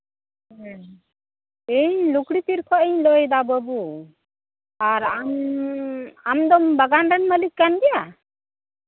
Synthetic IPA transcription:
eɲlukɽipiɾkʰɔʔɛɲlɔjɛd̪abəbu | aɾam | amd̪ɔmbəɡanɾɛnməlikːanɡ̪ɛja

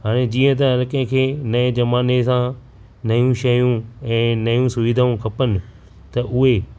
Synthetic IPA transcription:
ɦaːɽ̃ed͡ʑiːə̃t̪̬ɐɐlkẽkʰeːnɐẽd͡ʑɐmaːnesã | nɐjũʃɐjũɛ̃ːnɐjũsʊʋiːd̪ʱaːũkʰɐpənɪ̆ | t̪ɐʔʊɦe

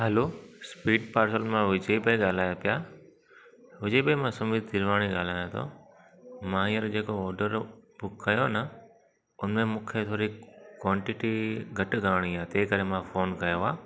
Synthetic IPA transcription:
ɦɛloːspiːɖpaːɾsəlmãʋʊd͡ʑebeɠaːl̤aːjopɪjaː | ɦʊd͡ʑeːbemãːsʊmid̪ɪɾʋaːɽ̃iɠaːl̤aːjãt̪ʰo̰ː | mãːĩːəɾd͡ʑeːkoɔːɾɖəɾbʊkːɐjonə | ʊnmẽmũːkʰet̪ʰoːɾikwãːɳʈɪʈiɡʱɐʈɡʱaːɽ̃iaːt̪eːkɐɾemãfoːnkɐjoaː

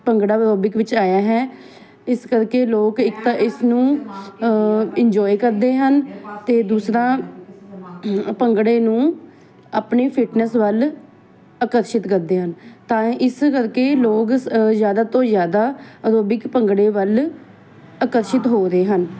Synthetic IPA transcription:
pəŋɡɽaːbəoːbɪkʋɪt͡ʃaːjaːɦɛː | ɪskəɾkeːloːkɪkt̪aʔɪsnũː | ɪɲd͡ʒɔːikəɾd̪eːɦənt̪eːd̪uːsɾãː | pəŋɡɽeːnũː | aːpneːpʰɪʈnəsʋəl | əkəɾʃɪt̪kəɾd̪eːɦənt̪ãːɪskəɾkeːloːkzjaːd̪aːt̪õːzjaːd̪aːəɾoːbɪkpəŋɡɽeːʋəl | əkəɾʃɪt̪ɦoːɾeːɦən

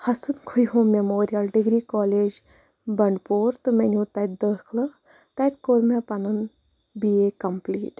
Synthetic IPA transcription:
hɐsɨnkʰujɦomemoːɾijɐlɖiɡɾiːkɔːleːd͡ʒ | bɐɳɖpoːɾt̪ɨmenʲũt̪ɐt̪̚d̪əːkʰlɨ | t̪ɐt̪koɾmepɐnun | biekɐmpliːʈ

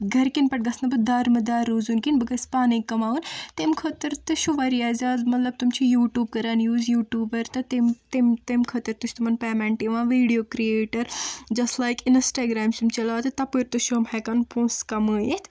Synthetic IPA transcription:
ɡʱɐɾkinpɐʈ̚ɡɐsnɐbɐd̪aːɾmɐd̪aːɾːuːzunkinbɨkɐspaːnikːɐmaːunt̪emkʰot̪ɐɾt̪ɨʃuʋɐɾiaːzaːzmɐt̪lɐb̚t̪umt͡ʃʰijuːʈjuːb̚kɐɾaːnjuːzjuːʈuːbɐɾt̪ɐt̪imt̪emt̪emkʰɐt̪ɐɾt̪uʃʰt̪umɐnpɛːmẽɳʈiʋãːʋiːɖijoːkɾieːʈɐɾd͡ʒɐsʈlaːjkɪnsʈaːɡɾaːmst̪umt͡ʃɐlaːt̪ɨt̪ɐpɨɾʲt̪uʃuɐmhɛkɐnpʰõːskɐmɨːet̪ʰ

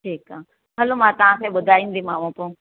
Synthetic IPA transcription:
ʈʰiːkaː | ɦɐlomãt̪ɐʋ̤ãkʰeɓʊd̪ʱaːĩːn̆d̪imaːmõpõ

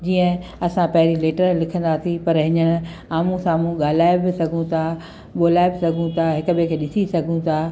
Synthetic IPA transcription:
d͡ʑiːə̃ɐsãpɐɦɪɾileːʈəɾlɪkʰə̃nd̪asipɐɾɦɪɲəɽ̃ɪ̆ | aːmũsãːmũɠaːl̤aːɪbɪsɐɡʱũt̪ʰa | ɓoːlaːɪbɪsɐɡʱũt̪ʰaɦɪkəbekʰeːɗɪsisɐɡʱũt̪ʰaː

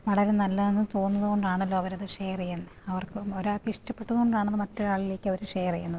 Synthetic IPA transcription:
ʋɐɭɐɾenɐlːɐðenːɨt̪o̞ːnːɐðuɣo̞ɳɖaːɳɐlːoːɐʋɐɾɐðɨʂejrijenːɨɐʋɐrkɨoɾuakːiʂʈɐpːe̞ʈːuðɣoɳɖaːɳɐnːɨmɐtːoɾaːɭile̞ːkʲːɐoɾuʂejɐrijunːɐðɨ

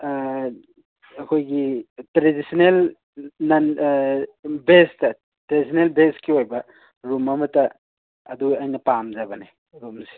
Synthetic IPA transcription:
ɐkʰojɡitɾedisinel | nɐn | bestɐ | tɾedisʰinelbeskiɦojbɐ | ɾumɐmɐtɐː | d̪uɐjnɐpamzabɐne | ɾumsi̥

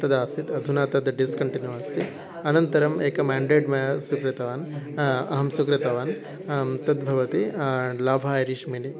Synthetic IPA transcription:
t̪ɐd̪aːsit̪ɐd̪ʱunaːt̪ɐd̪ɖiskɐɳʈinjuɐst̪ʰi | ɐnɐnt̪ɐɾɐmeːkɐmaːɳɖeːʈmɐjɐsukɾɐt̪ɐʋaːnɐɦɐmsukɾɐt̪ɐʋaːn | t̪ɐd̪bʱɐʋɐt̪ilaːbʱaːjɐɾiʃmili

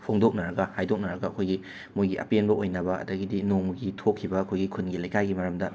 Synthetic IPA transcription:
pʰoŋdok̚nɐɾɐɡɐhajdok̚nɐɾɐɡɐɐkʰojɡi | mujɡiʔɐ̰penbɐʔojnɐbɐɐ̰dɐɡidinoŋɡitʰokʰːibɐɐkʰojɡikʰunɡilɐjkajɡimɐɾɐmdɐ

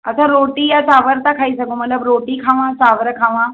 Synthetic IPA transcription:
əsaɾoʈiːjat͡saʋəɾt̪akʰaisaɡũmət̪ləbɾoʈiːkʰaʋãt͡saʋɾəkʰaʋã

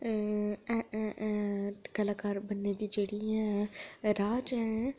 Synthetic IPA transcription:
ɛ | kəlaːkaːɾbənːed̪id͡ʒeːɽiɦɛ̃ːɾaːd͡ʒɦɛ̃

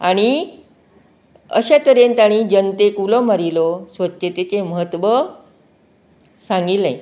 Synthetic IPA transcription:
aɽ̃i | ə̰ɕat̪əɾent̪aɽ̃id͡ʑənt̪ekulɔmaɾilɔsʋətːɕet̪et͡ɕeməɦət̪ʋə | sãŋɡilːa̰j

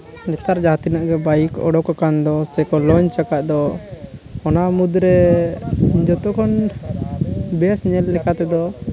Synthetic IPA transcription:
nɛt̪aɾd͡ʒat̪inaʔɡɛbajikɔ̰ɖɔkakand̪ɔsɛkɔlɔɲt͡ʃakaʔ̪̚d̪ɔ | ɔnamud̪ɾɛ | d͡ʒɔt̪ɔkʰɔn | bɛsɲɛlːɛkat̪ɛd̪ɔ

